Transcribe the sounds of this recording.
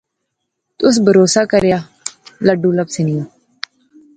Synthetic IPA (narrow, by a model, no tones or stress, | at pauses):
t̪ʊs̬bʱəɾoːsaːkəɾjaː | ləɖũːləbsɪnijõː